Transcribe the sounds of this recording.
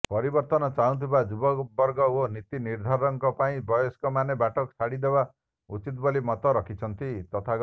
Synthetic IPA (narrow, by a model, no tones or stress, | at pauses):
pɔɾibɔɾt̪ɔnɔt͡ʃaɦũt̪ʰibad͡ʒubɔkbɔɾɡɔonit̪iniɾd̪ʱɔɾɔŋkɔpaĩbɔjɔskɔmanebaʈɔkɔsʰaɽid̪eba | ṵt͡ʃit̪ɔbolimɔt̪ɔɾɔkʰit͡ʃʰɔnt̪it̪ɔt̪ʰaɡ